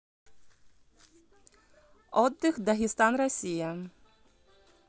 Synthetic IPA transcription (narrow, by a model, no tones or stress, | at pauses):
ɔd̪ːɪxd̪ɐɦʲɪst̪ɑnrɔsʲijɐ